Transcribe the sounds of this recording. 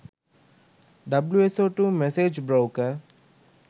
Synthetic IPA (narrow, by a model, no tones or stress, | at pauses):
ɖɐbljuesoːʈumeseːd͡ʒbɾoʊkəɾ